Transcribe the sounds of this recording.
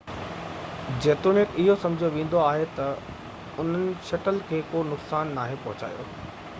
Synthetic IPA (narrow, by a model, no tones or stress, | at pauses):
d͡ʑeːt̪unɪkɪɦosɐ̃md͡ʑʱijoʋẽːn̆d̪oaːɦet̪ɐ | ʊn̤ənɪ̆ʃɐʈəlkʰeːkoːnʊksaːnːaːɦepɐɦʊt͡ɕa̰ːjo̰ː